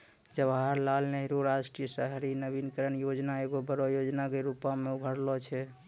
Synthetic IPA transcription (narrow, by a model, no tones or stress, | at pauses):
d͡ʒəbaɦaɾlalnəɦɾoɾaʃʈɾijəsəɦɾinəbinkəɾənjod͡ʒnaeɡobəɾɔjod͡ʒnakeɾupameubʱəɾlɔt͡ʃʰɛ